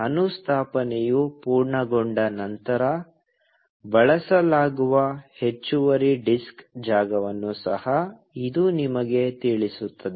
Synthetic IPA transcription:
ɐnust̪ʰaːpɐnejupuːɾɳɐɡoɳɖɐnɐnt̪ɐɾɐ | bɐɭɐsɐlaːɡuʋɐhe̞t͡ʃːuʋɐɾiɖiskd͡ʒaːɡɐʋɐnːusɐ̰hɐ | id̪unimɐɡe̞t̪iɭisut̪ːɐd̪e

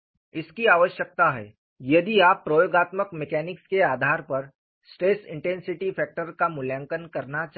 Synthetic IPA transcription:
ɪskiaːʋəʃjək̚t̪aɦɛ̰ː | jɐd̪iaːpːɾojoːɡaːt̪məkmɛkɛːnɪkskeaːd̪ʱaːɾpɐɾ | sʈeːsɪ̰̃ɳʈɛ̃nsɪʈifʰɛːk̚ʈəɾkamʊljãŋkənkɐɾnat͡ʃa

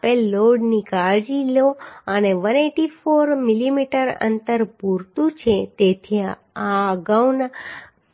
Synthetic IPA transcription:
pelːoɖnikaɭd͡ʒiloəneʋəneʈifoɾmilimiʈəɾə̰nt̪əɾpuɾt̪ũt͡ʃʰet̪et̪ʰi | aɡawna

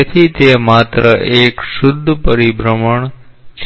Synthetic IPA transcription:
et̪ʰit̪emat̪ɾəʔekʃʊd̪ʱːəpəɾibɾəməɳ | t͡ʃʰ

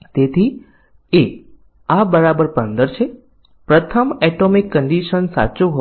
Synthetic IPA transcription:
t̪et̪ʰi | e | abəɾabəɾpənd̪əɾt͡ʃʰe | pɾət̪ʰəmɛʈomikːəɳɖiʃənsa̰t͡ʃuɦo

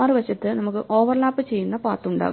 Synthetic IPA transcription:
aːrɨʋɐt͡ɕːɐt̪ːɨnɐmukːɨʔo̞ːʋɐrlaːpːɨt͡ɕe̞jːunːɐpaːrt̪ːuɳɖa̰ːɣu

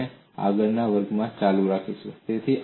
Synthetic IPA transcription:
e | a̰ɡəɾnaʋəɾɡmãt͡ʃalũɾakʰiʃũt̪et̪ʰiʔ

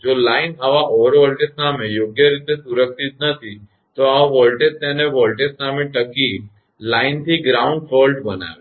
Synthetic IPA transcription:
d͡ʒolaːinaʋaʔoʋəɾʋɔlʈeʈsamẽjoːɡjəɾit̪esʊɾəksit̪̚nət̪ʰi | t̪oaʋɔlʈeʈ̚t̪ɛ̃neʋɔlʈeʈsamẽʈəki | laːɪnt̪ʰiɡɾaːʊ̃ɳɖfolʈbəna̰ʋe

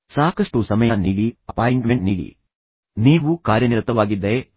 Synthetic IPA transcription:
saːkɐʂʈusɐmɐjɐniːɽiɐpaːjɳʈmeɳʈniːɽḭ | niːʋukaːɾjɐniɾt̪ːɐʋaːɡid̪ːe

